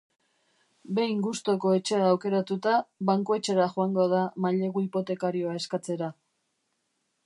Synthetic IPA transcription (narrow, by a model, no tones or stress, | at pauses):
be̞jŋɡust̪o̞ko̞e̞t͡ʃe̞aːwke̞ɾat̪ut̪aβaŋkoe̞t͡ʃe̞ɾaxoaŋɡo̞aðamaʎe̞ɣoipo̞t̪e̞kaɾio̞ae̞skat͡se̞ɾa